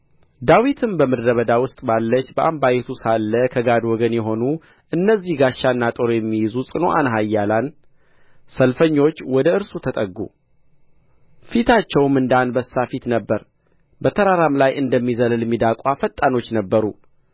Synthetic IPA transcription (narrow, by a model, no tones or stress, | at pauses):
d̪awit̪ʰɨmbəmɨɾːəβəd̪awʊst̪ʼbalːət͡ʃːbəʔambajɛt̪ʰusalːəkʰəɡad̪wɔɡənjɛɦo̞nu | ʔɨnːəzːihɡaʃːanːat̪ʼoɾojɛmːijɪzusʼɨno̞ʔanɦajːalan | səlfəɲːo̞t͡ʃːwɔd̪əɨɾsut̪ʰət̪ʼəɡːṵ | fit̪ʰat͡ʃːɛwmɨnd̪anbəsːafit̪nəbːəɾ | bət̪ʰəɾaɾamlajʔɨnd̪əmːizəlljɛmːid̪akʼafət̪ʼːano̞t͡ʃːnəbːəɾu